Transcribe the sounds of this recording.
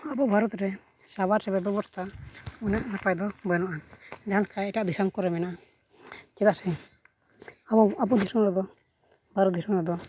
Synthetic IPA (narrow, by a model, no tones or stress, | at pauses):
abɔbʱaɾɔt̪ɾɛ | saβaɾɾɛbɛbɛbɔɾt̪ʰaɔnjaʔnapajd̪ɔbəjnɔʔandɛɦalkajiʈaʔd̪isamkɔɾɛmɛnaʔa | kɛd̪asɛ | abɔd̪ʱisɔmɾɛd̪ɔ | bʱaɾɔt̪̚d̪isɔŋɾɛd̪ɔ